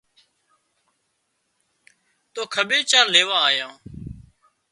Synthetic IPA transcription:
t̪oːkʰəɓeːt͡ʃaːɾleːʋãːaːjãː

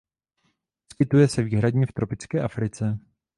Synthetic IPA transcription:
skɪt̪ujɛsɛviːɦɾadɲɛft̪ɾo̞pɪt͡skɛːʔafɾɪt͡sɛ

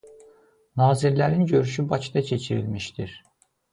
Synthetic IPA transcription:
nɑːziɾlæɾinɟø̞ɾyʃybɑt͡ʃʰd̪ɑt͡ʃʰe̞t͡ʃʰiɾḭlmiʃt̪iɾ

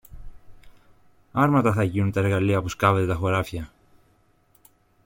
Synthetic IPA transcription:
ɐɾmɐt̪ɐθɐʝinunt̪ɐe̞ɾɣɐliɐpuskɐve̞t̪e̞t̪ɐxo̞ɾɐfçɐ

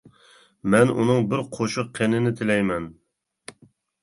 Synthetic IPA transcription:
mɛnṵnɨŋbɪɾqʰoʃʊqqʰːenɪnɪt̪ʰɪlɛjmɛn

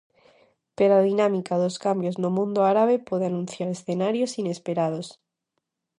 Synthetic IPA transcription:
peɾaðinãmikaðoskambjo̞znomũnd̪oaɾaβ̞epweðeanũnθjaɾesθenaɾjosine̞speɾað̞os

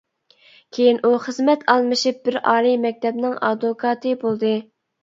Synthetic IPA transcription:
kʲʰejinʔuχəzmɛt̪ʰɑlˠmɨʃip̚bɪɾɑːlˠimɛk̚ʲt̪ʰɛbnɪŋʔɑ̰d̪okʰɑːt̪ʰɨbolˠd̪ɨ

